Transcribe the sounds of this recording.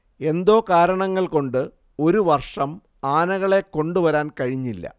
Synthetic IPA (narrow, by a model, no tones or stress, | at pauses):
e̞nd̪o̞ːkaːɾɐɳɐŋːɐɭko̞ɳɖɨ | o̞ɾuʋɐrʂɐm | aːnɐɣɐɭe̞kːo̞ɳɖuʋɐɾaːnkɐɻiɲːilːɐ̰